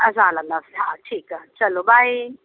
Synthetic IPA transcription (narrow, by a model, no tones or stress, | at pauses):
azalanasatʰiːkʼat͡ʃʰʼalɔɓaji